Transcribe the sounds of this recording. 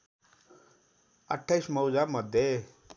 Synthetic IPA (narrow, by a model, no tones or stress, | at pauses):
əʈʰːajsmʌwd͡zamʌd̪ʱje